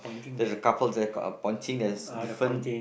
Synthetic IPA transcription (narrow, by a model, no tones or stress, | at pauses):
dɛzəkapəldɛə̰pɔ̃ɪ̃ntʰĩŋɛsdifɹə̃n